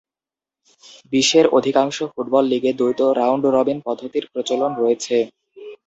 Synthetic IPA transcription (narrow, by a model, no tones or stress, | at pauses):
biʃːeɾod̪ʱikaŋʃofuʈ̚bɔlːiɡed̪ojt̪oɾawɳɖɾɔbinpɔd̪ʱot̪iɾpɾot͡ɕolonɾoet͡ɕʰe